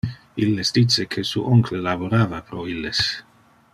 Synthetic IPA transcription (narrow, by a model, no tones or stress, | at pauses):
ilːesd̪it͡sːekʰesuʔoŋkʰlelaboɾaːvapɾoilːes